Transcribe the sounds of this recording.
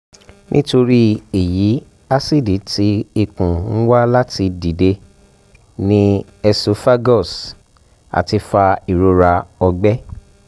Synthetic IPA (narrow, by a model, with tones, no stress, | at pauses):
nʔḭ̃˦to˧ɾi˦e˨ji˨˦ | a˦si˦˨di˨˦ti˨˦i˧kũ˨ñ̩˦wa˦la˦ti˧di˨de˧ | nĩ˦ | ɛ˧so˨˦fa˦ɡɔ˦˨s | a̰˨ti˧fa˧i˨ɾo˧ɾa˧ɔ˧ɡ͡bɛ˦